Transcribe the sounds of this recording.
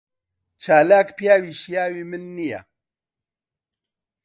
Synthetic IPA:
t͡ʃaːlaːkpjaːwiːʃjaːwiːmɨnːija̰

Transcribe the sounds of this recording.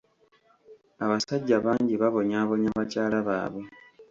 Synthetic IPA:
aβasaɟːaβaːɲɟiβaβo̞ɲaːβo̞ɲaβacaːlaβa̰ːβwe

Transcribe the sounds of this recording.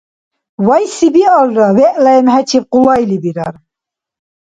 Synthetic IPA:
vajsibiɑlɾawɛʔlaɛmɦɛt͡ʃʰip̚qulajlibiɾaɾ

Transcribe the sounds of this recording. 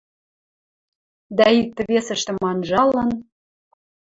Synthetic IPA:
d̪æik̚t̪ə̆βesə̆ʃt̪ĕmɑnʒɑlˠːɤ̆n

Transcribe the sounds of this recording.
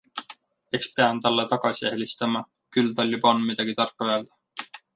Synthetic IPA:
e̞kspeɑnt̪ɑlːet̪ɑɡ̥ɑsiehlist̪ɑmɑ | kylt̪ɑlʲːibonmid̪̥ɑɡ̥it̪ɑrkːuøeld̪̥ɑ

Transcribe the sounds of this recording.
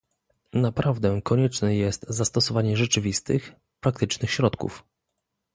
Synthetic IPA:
napɾʔavd̪ɛkɔɲɛt͡ʂnɛjɛst̪zast̪ɔsɔvaɲɛʐɛt͡ʂɘvʲist̪ɘx | pɾak̚t̪ɘt͡ʂnɘxɕɾɔt̪kṵf

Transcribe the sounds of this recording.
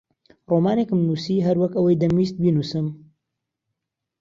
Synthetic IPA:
roːmaːnekɨmnuːsiːɦɐɾwɐkɐwɐjd̪ɐmiːst̪̚binusɨm

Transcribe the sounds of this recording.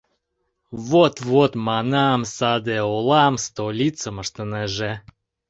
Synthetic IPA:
vot̪vot̪mɑnɑmsɑd̪eolˠɑmst̪olʲit͡səməʃt̪ənəʒe

